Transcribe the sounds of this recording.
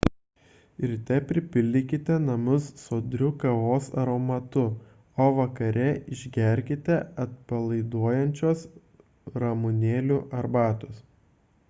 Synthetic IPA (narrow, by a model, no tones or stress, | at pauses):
ɪɾt̪ʲɛpʲɾʲɪpʲɪlʲd̪ʲɪkʲɪt̪ʲɛnɐmʊsːoːd̪ʲɾʲʊkɐʋoːsɐ̰ɾoːmɐt̪ʊ | oːʋɐkɐɾʲɛɪʒʲɡʲɛɾʲkʲɪt̪ʲɛɐt̪̚pɐlˠɐɪd̪uɔjɛnʲt͡ʃʲoːs | ɾɐmʊnʲeːlʲuʔɐɾbɑːt̪ʊs